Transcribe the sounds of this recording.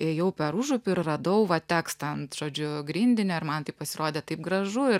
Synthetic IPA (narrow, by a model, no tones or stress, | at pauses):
ɪjɛʊpʲɛɾuʒʊpʲʊɪrrɐd̪ɐʊʋɐt̪ʲæːkst̪ʲɛnʒ̥oːd͡ʒʲʊɡɾʲinʲd̪ʲɪnʲoːɪɾrmɐnt̪ɐɪppɐsʲɪɾoːd̪ʲeːt̪ɐɪp̚ɡɾɐʒʊɪ